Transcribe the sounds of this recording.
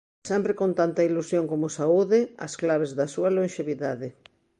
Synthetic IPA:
sɛmpɾɪkont̪ant̪ɐilusjoŋkomʊsauðɪɐ̰sklaβ̞ezðɐsuɐlonʃeβiðaðɪ

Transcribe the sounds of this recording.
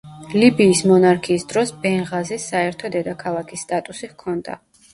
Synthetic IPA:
libiːsmɔnaɾkʰiːsd̪ɾɔsbɛnʁazɛsaɛɾt̪ʰɔd̪ɛd̪akʰalˠakʰisːt̪ʼat̪ʼusihkʰɔnd̪a̰

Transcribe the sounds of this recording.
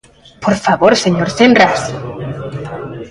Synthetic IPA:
poɾfaβoɾseɲoɾsenras

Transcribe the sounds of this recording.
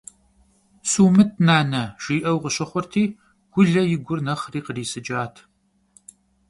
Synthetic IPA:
suːmɨt̚ʰnaːnɐʃiːʔɐwqəɕɐχʷɔrtʰiː | ɡ̥ʷʊɮɐjɪɡʷʊrnɐχriːqəriːsɨd͡ʒʼaːtʰ

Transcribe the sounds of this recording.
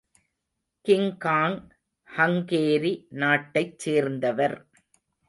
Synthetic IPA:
kɪŋkaːŋ | hɐŋkeːɾinaːʈːɐɪt͡ʃːseːɾnd̪ɐʋɐɾ

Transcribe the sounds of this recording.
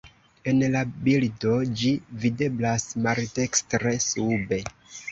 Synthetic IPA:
e̞nlabildo̞d͡ʒivide̞blasmaɾtekstɾe̞sube̞

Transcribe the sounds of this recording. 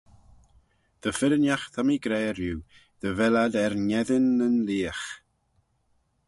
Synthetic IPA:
ð̥əfɪɾənjaxθʰamiɡɾɛːɾjuː | ð̥əvɛladɛɾnɛðɪnənliːəx

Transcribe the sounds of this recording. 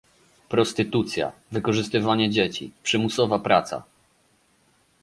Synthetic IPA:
pɾɔst̪ɘt̪ut̪sʲja̰vɘkɔʐɘst̪ɘvaɲɛd͡ʑet͡ɕḭpʂɘmusɔvapɾat̪sa̰

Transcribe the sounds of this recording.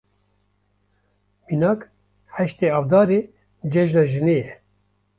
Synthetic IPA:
minɑːk | hɛʃt̪eːɑːvd̪ɑːɾeː | d͡ʒɛʒnɑːʒɨneːjɛ

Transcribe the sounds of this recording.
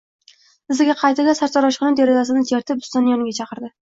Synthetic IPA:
ɪzɪɡʲaqʰɑjt̪ɪd̪asaɾt͡ʃ̪ʰɒɾɒʃqɨnɪd̪eɾɪzas̬ɪnɪt͡ʃʰeɾt̪ʰɪpʊ̥st̪ɒnjɒnɪɡʲat͡ʃʰɑqɨɾd̪ɪ

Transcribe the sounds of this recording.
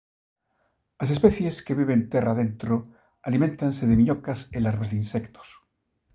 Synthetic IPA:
as̬e̞speθje̞skeβiβ̞ent̪erað̞ent̪ɾo | alimẽnt̪anseðemiɲokaselaɾβazðeinsekt̪o̥s

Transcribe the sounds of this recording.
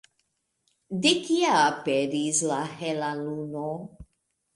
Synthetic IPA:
d̪ekiapedislahelaluno

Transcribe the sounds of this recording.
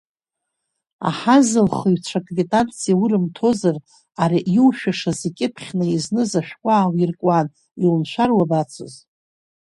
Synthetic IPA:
a̰ħazɨlχɨjt͡ʃʷʰakʼritʼant͡sʰijawurɨmtʰo̞zar | aɾiʔiwʃᶣaʂazekʲʼɪpʰχʲnaiznɨzaʃᶣkʷʼaːwirkʷʼan | ilnʃʷᶣarwabat͡sʰo̰z

